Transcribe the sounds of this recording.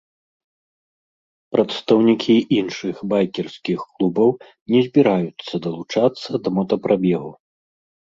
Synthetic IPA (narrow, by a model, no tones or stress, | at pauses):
pɾɐt̪st̪ɐwnʲikʲʰiinʂɨxbajkʲɛrsʲkʲixklˠubɐw | nʲɛzʲbʲiɾajut̪sːɐd̪ɐlˠut͡ʂat̪sːɐd̪ɐmɔt̪ɐpɾʔabʲɛɣu